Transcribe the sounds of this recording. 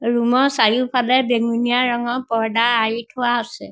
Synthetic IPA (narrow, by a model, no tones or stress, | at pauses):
ɹumɔsaɹipʰalɛbeŋunijaɹɔŋɔpɔɹdaaɹitʰʊwaɦosɛ